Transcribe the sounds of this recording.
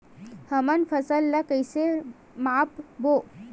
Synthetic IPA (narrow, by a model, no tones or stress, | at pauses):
həmənfʰɐsəlːɐkəjse | mapbo